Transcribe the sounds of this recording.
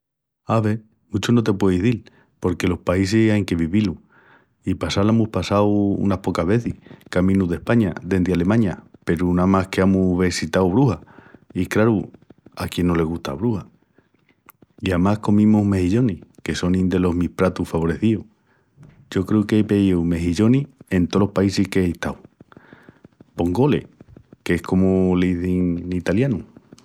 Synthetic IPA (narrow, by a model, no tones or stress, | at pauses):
aβe | mut͡ʃono̞t̪e̞pwe̞iɦðil | po̞ɾke̞lo̞hpaisehajŋke̞βiβilu | ipasalemuhpasawṵnahpo̞kaɦβe̞θihkamĩnuðe̞hpaɲad̪e̞nd̪eale̞mãɲape̞ɾunamahke̞amuβesit̪awβ̞ɾuhaikɾaɾuakje̞nːo̞le̞ɣ̞uht̪a̰βɾuha | iamahko̞mĩmuɦme̞hiʎo̞nike̞so̞nĩnd̪e̞lo̞ɦmihpɾat̪ufaβo̞ɾe̞θiu | ɟ͡ʝo̞kɾeukeepeiwme̞ɦiʎo̞nie̞nt̪o̞lo̞hpaisihkeiht̪aw | bo̞ŋɡo̞le̞̰ke̞hko̞moliθiŋit̪aljanu